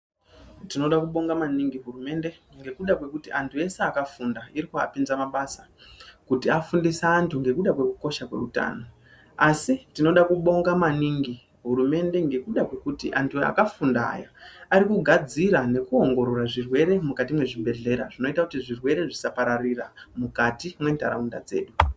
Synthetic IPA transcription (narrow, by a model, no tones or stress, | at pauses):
tino̞ɗakuɓo̞ŋɡamaniŋɡiɦurume̞nde̞ | ŋɡe̞kuɗakwe̞kutiʔantʰuje̞se̞akafundaiɾika̰pinzamaɓasa | kutiafundisaːntʰuŋɡe̞kuɗakwekuko̞ʃakwe̞̰ruta̰ːno̞ | asitino̞ɗakuɓo̞ŋɡamaniŋɡi | ɦuɾume̞nde̞ŋɡe̞kuɗakwe̞kutiʔa̰ntʰua̰kafunda̰ja̰aɾikuɡʱad͡ziɾane̞kuo̞ŋɡo̞ɾo̞ɾaʐirwe̞ɾe̞mukat̬imwe̞ʐibʱe̞ɮe̞ɾa̰ʐino̞itakutiʐirwe̞ɾe̞ʐisapaɾariramukatimwe̞nda̰ɾaunda̰d͡ze̞̰ːɗu